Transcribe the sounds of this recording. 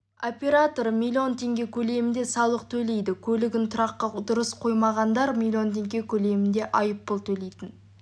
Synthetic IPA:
opʲe̞ɾat̪o̞ɾmʲilʲːio̞nt̪ʰe̞ŋɡʲe̞kʲʰɵle̞mɪnd̪e̞sɑlˠəq̚t̪ʰɵle̞jd̪ɪkʲʰɵlɪɡʲɪnt̪ʰʊɾɑqːɑd̪ʊɾəsqʰo̞jmɑʁɑnd̪ɑɾmilʲio̞nt̪ʰe̞ŋɡʲe̞kʲʰɵle̞mɪnd̪e̞ʔɑjəpːəlˠt̪ʰɵle̞jt̪ɪn

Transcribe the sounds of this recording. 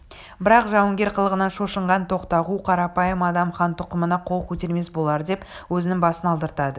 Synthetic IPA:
bɪɾɑqʒɑwəŋɡʲe̞ɾqʰəlˠəʁənɑnʃo̞ʃəɴʁɑnt̪ʰo̞qt̪ɑʁuqʰɑɾɑpɑjəmɑd̪ɑmχɑnt̪ʰʊqəmənɑqʰo̞lˠkʲʰɵt̪e̞ɾme̞sbo̞lˠɑɾəd̪epwɵzɪnɪŋbɑsənɑlˠd̪əɾt̪ɑd̪ə

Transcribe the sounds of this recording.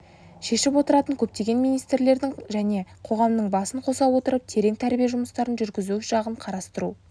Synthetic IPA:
ʃe̞ʃɪpwo̞t̪əɾɑt̪əŋkʲʰɵp̚t̪e̞ɡʲe̞nmijnijst̪ɾle̞ɾd̪ɪŋʒæne̞qʰo̞ʁɑmnəɴbɑsəɴqʰo̞sɑwwo̞t̪əɾəp̚t̪ʰe̞ɾe̞ŋt̪ʰæɾbijeʒʊməst̪ɑɾənʒʏɾɡʲɪzuʃɑʁəɴqʰɑɾɑst̪əɾu

